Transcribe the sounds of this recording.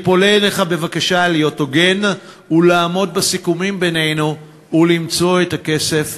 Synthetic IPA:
po̞leleχabe̞vakaʃaliotoɡe̞n | ulaːmo̞d̚basikumimbene̞jnuː | limt͡so̞etake̞se̞f

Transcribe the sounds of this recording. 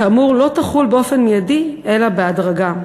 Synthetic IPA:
aːmuʁlo̞taχulbeo̞fenmijadiʔe̞labeadʁaɡa

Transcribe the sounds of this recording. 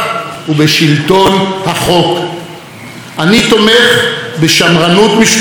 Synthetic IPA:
ubeʃilt̪o̞nhaχo̞k | ʔanit̪o̞meχbeʃamʁanut̪miʃ

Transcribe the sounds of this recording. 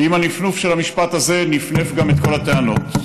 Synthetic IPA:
imanifnufʃelamiʃpat̪aze̞nifnefɡamet̪̚ko̞lat̪eano̞t̪

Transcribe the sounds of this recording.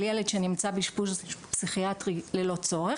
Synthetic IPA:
ljeledʃenimt͡sabiʃpuzpsiχiatʁilelo̞t͡so̞ʁe

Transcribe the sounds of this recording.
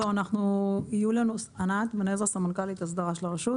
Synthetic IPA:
oanaχnuijulanusʔanat̪benezasamankalit̪as̬d̪aʁaʃelaʁeʃut

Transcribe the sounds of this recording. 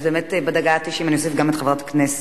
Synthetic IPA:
beːmetbad̪aɡat̪iʃimaniosefɡamet̪χevʁat̪ḁknɛs

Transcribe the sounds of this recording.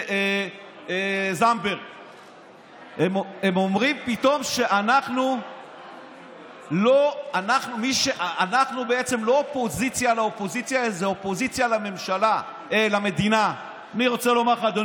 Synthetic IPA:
e | zambeʁ | ememo̞mʁimpit̪o̞mʃe̞ʔanaχnu | loanaχnumiʃeʔaanaχnubee̞t͡se̞mlo̞opo̞zit͡sjalaopo̞zit͡sjaezeopo̞zit͡sjalame̞mʃala | elame̞d̪ina | aniʁo̞t͡selo̞maʁχaːd̪o

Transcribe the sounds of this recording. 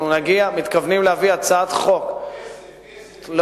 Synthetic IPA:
nunaɡiamit̪kavnimlehaviat͡saat̪χo̞k | l

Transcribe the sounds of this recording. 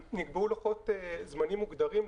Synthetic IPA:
niɡbeulaχot̪ezmanimːuɡd̪aʁim

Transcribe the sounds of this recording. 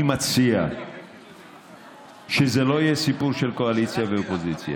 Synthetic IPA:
imat͡sia | ʃezelo̞jesipuʁʃelkoalit͡sjaveopozit͡sja̰

